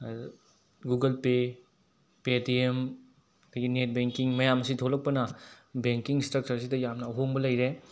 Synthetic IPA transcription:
ɡuɡɐlpe | petiem | kʰɐɡinet̚beŋkiŋmɐjamɐsidʰʱolɐk̚pɐnɐbeŋkiŋstɾɐk̚t͡ʃɐɾs̬idɐjamnɐɐɦoŋbɐlɐjɾe

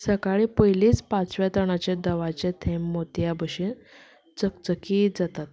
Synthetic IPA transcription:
səkaɭipəjliːt͡spãt͡sʋjat̪əɳ̃at͡ɕed̪əʋat͡ɕẽt̪ʰɛmːot̪jabəɕin | t͡sək̚t͡səkid͡zat̪at̪

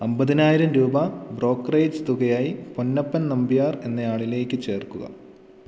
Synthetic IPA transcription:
ɐmbɐðinaːjiɾɐmɾuːbɐbro̞ːkːrejd͡ʑt̪uɣɐjaːjiponːɐpːɐnnɐmbijaːre̞nːɐjaːɭile̞ːkʲːɨt͡ɕe̞ːrkuɣɐ̰

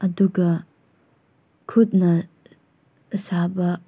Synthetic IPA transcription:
ɐduɡɐ | kʰut̚nɐ | əsabɐ

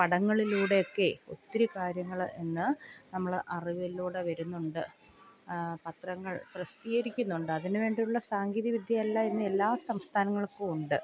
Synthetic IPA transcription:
pɐɽɐŋːɐɭiluːɽe̞jokːe̞o̞̰t̪ːiɾikaːɾjɐŋːɐɭe̞nːɨnɐmːɐɭʔɐriʋiluːɽeʋɐɾunːuɳɖɨ | pɐt̪rɐŋːɐɭprɐst̪iːɣɐɾikʲːunːuɳɖɨɐðinɨʋe̞ːɳɖijuɭːɐsaːŋɡiːðiʋid̪ʱjɐɐlːaenːɨe̞lːaːsɐmst̪ʰaːnɐŋːɐɭkːɨuɳɖɨ

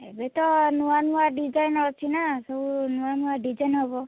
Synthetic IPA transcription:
ɛbɛtɔnuwanuwadizajnɔt͡ʃʰinasɔunuwanuwadizajnɦɔbɔ

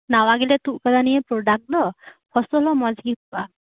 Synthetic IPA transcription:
nawaɡilɛt̪uʔkad̪aniepɾoɖak̚d̪ɔpʰɔst̪ɔlɔmɔd͡ʒɡiba

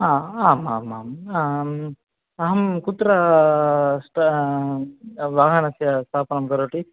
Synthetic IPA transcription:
aːaːma̰ːmaːma | ɐɦɐmkut̪ːɾɐ | sʈ | ʋaːɦɐnɐsjɐst̪ʰaːpɐnɐmkɐɾoːʈi

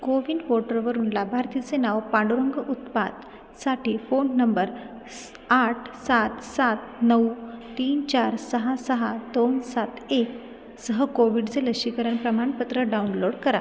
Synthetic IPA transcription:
koʋiɳɖʋɔʈəɾʋəɾuːnlabʱaɾt̪it͡senaʋpaɽɾoŋɡəʔut̪̚pa̰d̪ | saʈiːfonːəmbəɾ | aʈʰsat̪sat̪nəwt̪iːnt͡ɕaɾsəɦasəɦad̪onsat̪ʰek | səɦəkoʋiɽt͡seləɕikəɾənpɾəmaɳpət̪ɾəɖaunloɽkəɾa̰

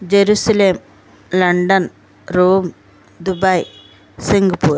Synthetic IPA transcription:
d͡ʒeɾusɐleːm | lɐɳɖɐn | ɾuːm | d̪ubɐj | siŋɡɐpuːɾ

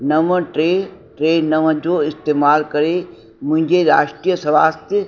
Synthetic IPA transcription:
nɐʋə̃ʈɾeːʈɾeːɖnɐʋə̃d͡ʑoːɪst̪eːmaːlkɐɾe | mʊ̃ɦɪ̃ɲd͡ʑeɾa̰ːʃʈɾijəsɐʋaːst̪jə

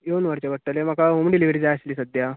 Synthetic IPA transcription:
jonʋəɾt͡ɕeʋəʈ̚ʈ̪ːəlem̤akaɦumɖiliʋɾid͡zaasliːsəd̪ʱja

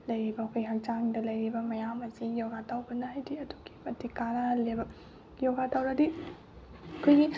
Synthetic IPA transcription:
lɐjɾibɐkʰojɦɐk̚t͡ʃaŋdɐlɐjɾibɐmɐjamɐzijoɡatawbɐnajdiɐduɡi̥pɐdikaɾɐlebɐ | joɡatawɾɐdi | kʰojɡi

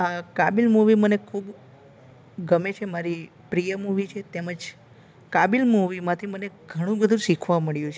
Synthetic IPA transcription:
akabilmuʋimənekʰub | ɡəmet͡ʃʰemaɾi | pɾijəmuʋit͡ʃʰet̪eməd͡ʒ | kabilmuʋimãt̪ʰiməneɡʱəɽ̃ũbəd̪ʱũʃikʰʋaməɭjũt͡ʃʰe

